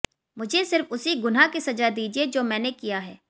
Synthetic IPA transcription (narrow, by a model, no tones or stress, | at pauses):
mʊd͡ʒʱesɪɾfʊsiɡʊnakisɐd͡ʒad̪iːd͡ʒied͡ʒoːmɛ̃ːnekijaɦɛː